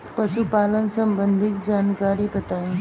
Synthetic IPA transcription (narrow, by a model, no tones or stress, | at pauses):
pɐʃupaːlənsə̃mbə̃nd̪ʱɪk̪̚d͡ʒaːnkaːɾibɐt̪aːẽ